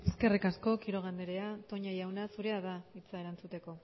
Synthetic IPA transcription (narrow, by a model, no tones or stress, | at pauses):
eske̞rikasko̞kiɾo̞ɣ̞and̪eɾe̞at̪o̞ɲajawnasuɾe̞aðait͡saeɾant͡sut̪e̞ko̞